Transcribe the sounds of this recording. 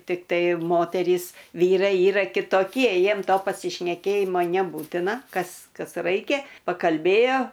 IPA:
tʲɪkˈtɐɪ ˈmoːtʲɛrʲiːs ˈʋʲiːrɐɪ ˈiːrɐ kʲɪtoːˈkʲiɛ ˈjiɛm ˈtoː pɐsʲɪʃʲnʲɛˈkʲeːjɪmoː nʲɛˈbuːtʲɪnɐ ˈkɐs ˈkɐs ˈrɐɪkʲɛ pɐkɐlʲˈbʲeːjoː

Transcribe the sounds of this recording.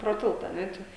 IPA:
proː ˈtʲɪlˠtɐ ɐ ˈnʲɛ ˈt͡ʃʲɛ

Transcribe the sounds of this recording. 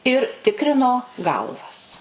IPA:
ɪr ˈtʲɪkrʲɪnoː ˈɡɐlˠʋɐs

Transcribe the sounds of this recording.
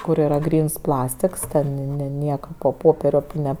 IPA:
kʊr iːˈrɐ ˈɡrʲiːns ˈplˠɑːsʲtʲɪks ˈtʲɛn nʲɛ ˈnʲiɛkɐ poː ˈpoːpʲɛrʲɛ ˈnʲɛ

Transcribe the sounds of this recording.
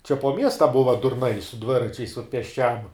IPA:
t͡ʃʲɛ poː ˈmʲiɛstɐ ˈbʊʋɐ dʊrˈnɐɪ sʊ ˈdʲʋʲɪrɐt͡ʃʲɛɪs ʊt pʲeːsʲˈt͡ʃʲɛm

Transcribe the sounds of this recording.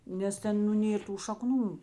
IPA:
nʲɛs ˈtʲɛn nʊ ˈnʲeːr tuː ʃɐˈknuː

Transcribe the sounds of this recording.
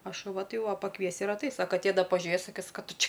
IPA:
ɐ ʃʊˈʋɐ ˈtɐɪ jɛʊ ˈʋɐ pɐˈkʋʲiɛsʲɪ ɪr ɐtˈɐɪsʲ ɐ kɐˈtʲeː ˈdɐ pɐˈʒʲʊeːs sɐˈkʲɪs kɑː ˈtʊ ˈt͡ʃʲɪ

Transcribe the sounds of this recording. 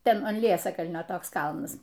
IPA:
ˈtʲɛn ɐn ˈlʲiɛsɐkɐlʲnʲoː ˈtoːks ˈkɐlˠnɐs

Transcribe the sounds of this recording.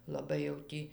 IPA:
lˠɐˈbɐɪ jɛʊ ˈtʲiː

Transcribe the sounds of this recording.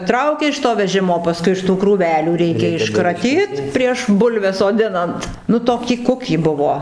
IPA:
ˈtrɐʊkʲɛ ɪʃ toː ʋʲɛˈʒʲɪmoː pɐˈskʊɪ ɪʃ tuː kruːˈʋʲæːlʲuː ˈrʲɛɪkʲɛ ɪʃkrɐˈtʲiːt pʲrʲiɛʃ ˈbʊlʲʋʲɛs soːˈdʲɪnɐnt ˈnʊ ˈtoːkʲiː ˈkʊkʲiː ˈbʊʋoː

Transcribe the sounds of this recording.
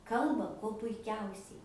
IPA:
ˈkɐlˠbɐ kuɔ pʊɪˈkʲɛʊsʲɛɪ

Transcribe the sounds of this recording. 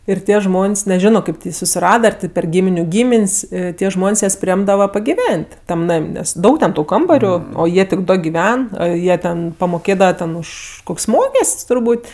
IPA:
ɪr ˈtʲiɛ ˈʒmoːnʲsʲ nʲɛˈʒʲoːnoː ˈkɐɪp tʲɪ ˈjiː sʊsʲɪˈrɑːdɐ ɐr ˈtʲeː pʲɛr ˈɡʲiːmʲɪnʲʊ ˈɡʲiːmʲɪnʲsʲ ˈtʲiɛ ˈʒmoːnʲsʲ ˈjɛs pʲrʲɪˈeːmdɐʋɐ pɐɡʲɪˈʋʲɛnʲtʲ ˈtɐm ˈnɐmʲ ˈnʲɛs ˈdɐʊk tʲɛn ˈtuː ˈkɐmbɐrʲʊ oː ˈjiɛ tʲɪk ˈdoː ɡʲɪˈʋʲɛn ˈjiɛ tʲɛn pɐmoːˈkʲeːdɐʋɐ tʲɛn ˈʊʃ ˈkʊkʲsʲ ˈmoːkʲɛsʲtʲsʲ tʊrˈbuːtʲ

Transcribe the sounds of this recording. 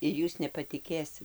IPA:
ɪr ˈjuːs nʲɛpɐtʲɪˈkʲeːsʲɪt

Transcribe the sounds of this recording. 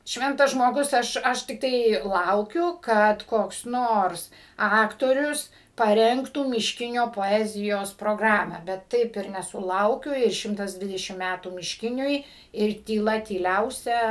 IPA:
ˈʃʲʋʲɛntɐs ʒmoːˈɡʊs ˈɐʃ ˈɐʃ tʲɪkˈtɐɪ ˈlˠɐʊkʲʊ ˈkɐt koːks ˈnoːrs ˈɑːktoːrʲʊs pɐˈrʲɛŋktuː mʲɪʃʲˈkʲɪnʲoː poːˈæːzʲɪjoːs proːˈɡrɑːmɑː bʲɛt ˈtɐɪp ɪr nʲɛsʊˈlˠɐʊkʲʊ ɪr ˈʃʲɪmtɐs ˈdʲʋʲɪdʲɛʃʲɪm ˈmʲætuː mʲɪʃʲˈkʲɪnʲʊɪ ɪr tʲiːˈlˠɐ tʲiːˈlʲɛʊsʲɛ

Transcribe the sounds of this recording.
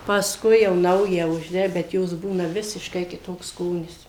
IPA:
pɐsˈkʊɪ jɛʊ ˈnɐʊjæː ʊʒʲˈdʲɛ bʲɛt ˈjoːs ˈbuːnɐ ˈʋʲɪsʲɪʃkɐɪ kʲɪˈtoːks ˈskoːnʲɪs

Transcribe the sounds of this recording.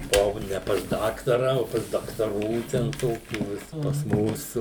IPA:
bʊˈʋɐʊ nʲɛ pɐs ˈdɑːktɐrɐ oː pɐs dɐktɐˈruː ˈtʲɛn ˈtoːkʲuː ˈʋʲɪs pɐs ˈmuːsʊ

